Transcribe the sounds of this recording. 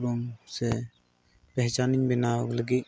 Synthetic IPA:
bɔmsɛ | pɛɦt͡ʃaniɲbɛnaɔləɡit̪̚

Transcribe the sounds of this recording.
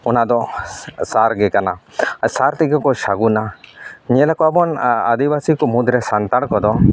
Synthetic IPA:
ɔnad̪ɔsaɾɡɛkanasaɾt̪iɡɔkɔʃaɡunaɲɛlakɔabɔna̰d̪ibasikɔmud̪ɾɛsant̪aɽkɔd̪ɔ

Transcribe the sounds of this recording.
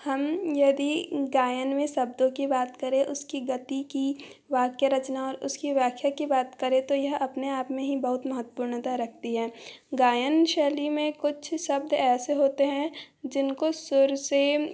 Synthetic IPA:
hɐmjɐd̪iɡaːjənmẽsɐb̚d̪õkibaːt̪kɐɾẽʔʊskiɡɐt̪iki | ʋaːkjaɾɐt͡ʃnaɔːɾʊ̰skiʋjaːkʰjakibaːt̪kɐɾẽt̪ojɐɦɐpneaːpmẽɦibɐɦʊt̪mɐɦət̪ːə̥puːɾnt̪aɾɐk̚ʰt̪iɦɛːɡaːjənʃɛːlimẽkʊt͡ʃʰsɐb̚d̪ɛːseɦoːt̪eɦɛ̃ | d͡ʒɪnkosʊɾse

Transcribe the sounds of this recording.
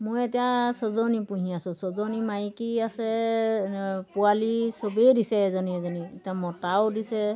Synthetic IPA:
mojetijasɔzɔnipuɦĩasʊ̃sɔzɔnimajkiasɛ | pualisobedisɛzɔniɛzɔnietiamɔtaʊdisɛ

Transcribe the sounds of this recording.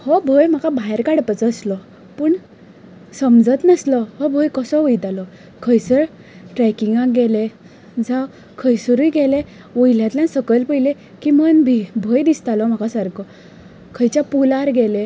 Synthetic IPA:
hɔbʱəjm̤akabʱaɦjɾkaɽpət͡səslɔ | pəːɳ | səmd͡zət̪nəslɔhɔbʱəjkəsɔʋəjt̪alɔ | kʰəjsəɾ | ʈɾɛkiŋɡãkɡɛle | d͡zaw | kʰəjsuɾujɡɛlẽ | ʋəjljãt̪ljãnsəkəlpəjle | kimənbʱibʱəjd̪ist̪alɔm̤akasaɾkʰɔ | kʰəjt͡ɕjapulaɾɡɛlẽ

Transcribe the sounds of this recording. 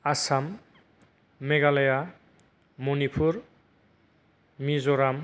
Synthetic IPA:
asam | eɡaleja | monipʰuɾ | mizɔɾam

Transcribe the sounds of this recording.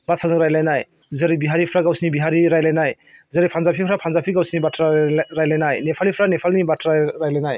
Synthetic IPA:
basazɯŋɾajlajnaj | zɯɾibiɦaɾipʰɾaɡawsinibiɦaɾiɾajlajnaj | zɯɾipʰanzapʰipʰɾapʰanzapʰiɡawsinibatʰɾaɾajlajnajnepʰalipʰɾanepʰalnibatʰɾaɾajlajnaj

